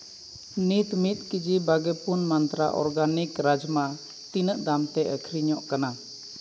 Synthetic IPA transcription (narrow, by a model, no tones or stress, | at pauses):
nit̪mit̪̚kid͡ʒibaɡɛpunmant̪ɾa̰ʔɔ̰ɾɡanikɾad͡ʒma | t̪inəʔd̪amt̪ɛʔəkʰɾiɲɔʔkana